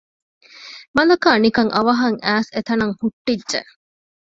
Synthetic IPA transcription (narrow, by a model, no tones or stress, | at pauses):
mɐlɐkaːnikɐŋʔɐʋɐɦɐŋʔæːset̪ɐnɐŋhuʈːidːd͡ʒḛʔ